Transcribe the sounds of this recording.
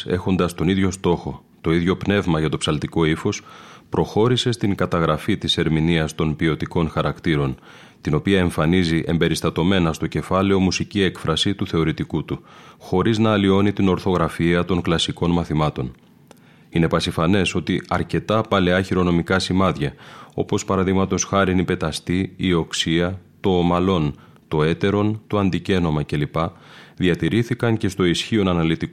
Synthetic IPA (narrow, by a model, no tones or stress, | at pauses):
e̞̰xo̞nd̪ɐst̪o̞niðʝo̞st̪o̞xo̞ | t̪o̞iðʝo̞pne̞vmɐʝɐt̪o̞psɐlt̪iko̞ifo̞spɾo̞xo̞ɾise̞st̪iŋkɐt̪ɐɣɾɐfit̪ise̞ɾminiɐst̪o̞npio̞t̪iko̞nxɐɾɐkt̪iɾo̞n | t̪ino̞piɐe̞ɱfɐniziʔe̞mbe̞ɾist̪ɐt̪o̞me̞nɐst̪o̞ce̞fɐle̞o̞musicie̞kfɾɐsit̪uθe̞o̞ɾit̪ikut̪uxo̞ɾiznɐːlio̞nit̪ino̞ɾθo̞ɣɾɐfiɐt̪o̞ŋklɐsiko̞nmɐθimɐt̪o̞n | ine̞pɐsifɐne̞so̞t̪iɐɾce̞t̪ɐpɐle̞ɐçiɾo̞no̞mikɐsimɐðʝɐo̞̰po̞spɐɾɐðiɣmɐt̪o̞sxɐɾinipe̞t̪ɐst̪iːo̞ksiɐt̪o̞mɐlo̞n | t̪o̞e̞t̪e̞ɾo̞nt̪oɐnd̪ice̞no̞mɐce̞lipɐðiɐt̪iɾiθikɐɲce̞st̪o̞isçio̞nɐnɐlit̪ik